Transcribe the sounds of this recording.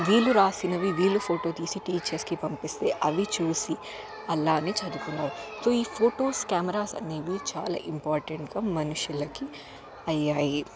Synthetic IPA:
ʋiːluɾaːsinɐʋiʋiːlupʰoːʈo̞ːt̪iːsiʈiːt͡ʃeskipɐmpist̪e̞̰ːʔɐʋit͡ʃuːsi | ɐlːaːneːt͡ʃɐd̪ukunːaːɾuso̞ːiːpʰoːʈoːskaːmɐɾaːsɐ̰nːeːʋit͡ʃa̰ːla̰ːʔimpaːɾʈeɳʈɡ̥aːmɐnuʂjulɐki | ɐjːaːji

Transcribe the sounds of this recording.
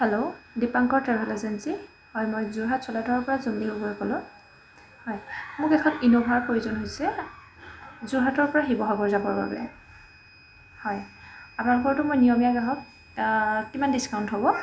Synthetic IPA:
hɛlodipaŋkɔɹtɛɹɦɔlɛzansi | hɔjmojzuɦatsɔladʱɔɹɔɹpɔɹazunliɦoboɹikɔlʊ̃ | hɔjmʊkɛkʰɔninobʱaɹpɹojuzɔnɦojsɛ | zuɦatɔɹpɔɹaxibɔɦɔɡɔɹzabɔɹba̰bɛ̰ | hɔjapʊnalʊkɔɹtʊmojnijɔmijakaɦɔk̚ | kimandiskawntɦobɔ

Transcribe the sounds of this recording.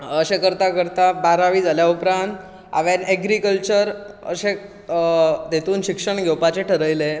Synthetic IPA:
əɕekəɾt̪akəɾt̪abaɾaʋiːd͡zʱaljaupɾãnt̪ | a̰ʋaɾɛɡɾikəlt͡ɕəɾə̰ɕe | d̪et̪uːnɕikʂəɳɡʱɛwpat͡ɕeʈʰəɾəjle

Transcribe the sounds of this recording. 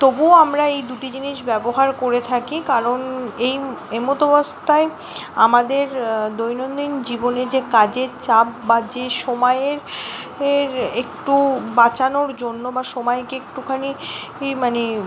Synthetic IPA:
t̪obuamɾaejd̪uʈid͡ʑiniʃbɛboɦaɾkoɾet̪ʰakikaɾonejemot̪obast̪ae | a̰mad̪eɾd̪ojnond̪ind͡ʑiboned͡ʑekad͡ʑeɾt͡ɕap̚ːad͡ʑeʃomajeɾ | ɾekʈubat͡ɕanoɾd͡ʑonːobaʃomaekeekʈukʰani | mane

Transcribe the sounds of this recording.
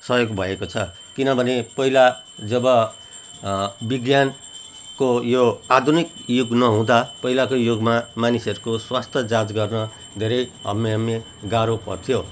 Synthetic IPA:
sʌjoɡbʱʌekot͡sʰʌ | kinʌbʱʌnepʌɦila | d͡zʌbʌ | biɡjan | kojoad̪ʱunikjuɡnʌɦũd̪apʌɦilakojoɡmamanisʌɾukoswast̪ʰjʌd͡zad͡zɡʌrnʌ | d̪ʱeɾʌjɦʌ̰mːeʌmːe | ɡaɾopʌ̰rt̪ʰijo

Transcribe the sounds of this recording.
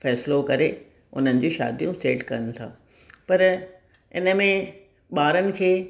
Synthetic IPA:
fɛːslokɐɾe | ʊn̤ənɪ̆d͡ʑiːʃa̰ːd̪ijũseːʈkɐənɪ̆t̪ʰã̰ː | pɐɾ | ɪ̰nəmẽ | ɓaːɾənɪ̆kʰeː

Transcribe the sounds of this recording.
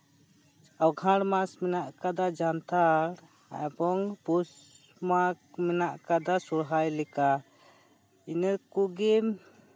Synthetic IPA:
awɡʱãɽmasmɛnaʔkad̪ad͡ʒant̪ʰaɽ | a̰jbɔŋpus | makmɛnaʔkad̪asuɽɦajlɛka | inɛkuɡɛm

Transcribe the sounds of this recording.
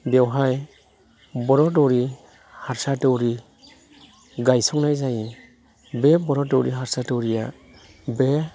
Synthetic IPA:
dɛwɦaj | bɔɾɔtɔwɾi | haɾsatɔwɾi | ɡajsɔknajzaji | bɛbɔɾɔdɔwɾiɦaɾsatɔwɾija | be

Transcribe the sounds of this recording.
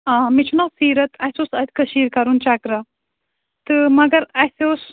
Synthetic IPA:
aːmit͡ʃʰunɐlsiːɾɐt̪ʰɐsʲosɐt̪ʲkɐʃiːɾkɐɾunt͡ʃakɾɐ | t̪ɨmɐɡɐɾɐsos

